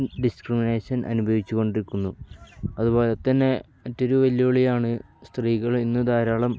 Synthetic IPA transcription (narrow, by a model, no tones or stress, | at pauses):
ɖiskrimineːɕɐnʔɐ̰nubʱɐʋit͡ɕːuɣo̞ɳɖiɾikːunːuɐðubo̞ːlet̪ɐnːe̞ | mɐtːo̞ɾuʋɐljɐuɭijaːɳɨ | st̪riːɣɐɭinːɨd̪aːɾaːɭɐm